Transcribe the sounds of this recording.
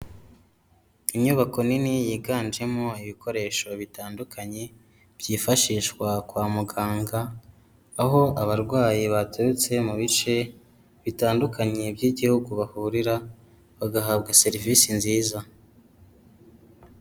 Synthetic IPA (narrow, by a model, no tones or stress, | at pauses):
imɲuːβako̞ninijiːɡaːnd͡ʒe̞mo̞iβikʰo̞ɾe̞ːʃo̞βitaːndukʰaɲe | bjiːfaʃiːʃkwakwaːmuɡaːŋɡaː | ɦo̞aβaɾɡwaːjiβateɾut͡se̞muβit͡ʃe̞ | βitaːndukʰaɲe̞bɟiːɟihuɡuβahuɾiɾa | βaɡaɦabɡase̞ɾivisinziːza